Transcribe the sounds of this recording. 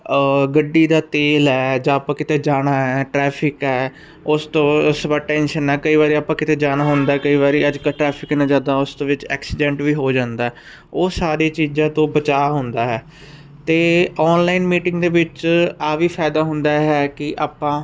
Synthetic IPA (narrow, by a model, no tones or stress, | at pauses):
ɡəɖːiːd̪aːt̪eːlɛːd͡ʒãːaːpãːkɪt̪eːd͡ʒaːɽ̃aːɦɛːʈɾɛːpʰɪkɛː | ʊst̪õːsəbaːʈɛ̃ːnʃənɛːkəiːʋaːɾiːaːpãːkɪt̪eːd͡ʒaːɽ̃aːɦʊnd̪aːɛkəiːʋaːɾiːəd͡ʒkaːʈɾɛːpʰɪkːnãːd͡ʒãːd̪aːʊst̪õːʋɪt͡ʃɛ̰ːksɪɖɛ̃ːɳʈʋiːɦoːd͡ʒãːnd̪aːɦɛː | oːsaːɾiːt͡ʃiːd͡ʒãːt̪õːbət͡ʃaːɦʊnd̪aːɦɛː | t̪eːɔːnlaːɪnmiːʈɪ̃ŋɡd̪eːʋɪt͡ʃaːʋiːpʰaːɪd̪aːɦʊnd̪aːɦɛːkɪʔaːpːãː